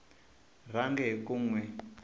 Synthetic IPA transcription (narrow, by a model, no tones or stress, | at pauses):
raŋɡɛkuŋwɛ